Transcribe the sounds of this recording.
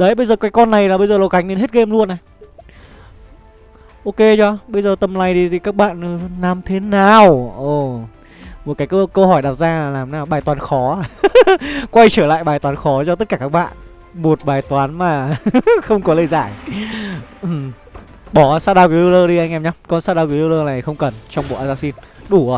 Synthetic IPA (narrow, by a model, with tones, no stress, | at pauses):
ɗə˨˦jɓə˧jzəː˨˩kaː˨˦jkɔ˧nːa˨˩jlaː˨˩ɓə˧jzəː˨˩lo˨˩wka˨˦ŋ̟ne˧˦nhe˦˥t̚ɣe˧mlu˧ənʔa˨˩ | ʔo˧ke˧t͡ɕɔ˧˦ɓə˧jzəː˨˩t̪ə˧˩mla˧˩jɗi˧t̪ʰi˨˩kaː˦˥k̚ɓa̰ː˧˨nː˨˩naː˨˩mt̪ʰe˨˦naː˨˩wʔə˨˩ | mo˨˩t̚kaː˨˦jkə˧kə˧whɔ˧˩jɗaː˨˩p̚zaː˧aː˨˩laː˨˩mnaː˨˩wɓaː˨˩t̪waː˨˦nxɔ˨˦˧ | kwa˧jt͡ɕəː˧˩la̰ː˧˨jɓaː˨˩jt̪waː˨˦nxɔ˨˦t͡ɕɔ˧t̪ə˦˥t̚kaː˧˩kaː˦˥k̚ɓa̰ː˧˨n | mo˨˩t̚ɓaː˨˩jt̪waː˨˦nmaː˨˩xə˧wŋ͡mkɔ˨˦lə˧jzaː˧˩j | ʔ | ɓɔ˧˩˨saː˦˥ɗaː˧wki˨˦lo˧ləː˧ɗi˧ʔa˧ŋʔɛ˧mɲa˧kɔ˧˩nsaː˦˥ɗaː˧wki˨˦lo˧ləː˧na˨˩jxə˧wŋ͡mkə˨˩nt͡ɕɔ˧wŋ͡mɓo̰˨˩˨ʔaː˧˩zaː˧si˧nɗu˧˩˨